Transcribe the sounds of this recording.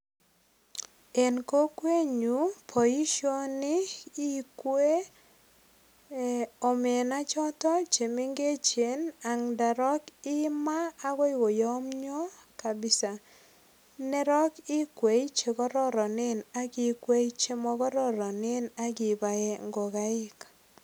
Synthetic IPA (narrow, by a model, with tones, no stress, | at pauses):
e˨nko˦kwe˦ɲu˨˦pʰɔ˨i˦ʃo˦nɪ˦i˦kwe˦ | ɔ˨me˨na˦t͡ʃɔ˦tɔ˦t͡ʃe˨me˦ŋɡe˦t͡ʃe˨˦na˨ŋda˨ɾɔ˦kɪ˦maː˦kɔ˦ɪ˦wo˨jɔ˦mɲɔ˦ka˨bɪ˦sa˨ | nɛ˦ɾɔ˦kɪ˦kwe˨i˦t͡ʃe˨kɔ˦ɾɔ˦ɾɔ˨nɪ˦na˦ki˨kwe˦i˦t͡ʃe˦mɔ˦kɔ˦ɾɔ˦ɾɔ˨nɪ˦na˦kɪ˨ba˨e˦ŋɡo˨ka˦ɪ˦k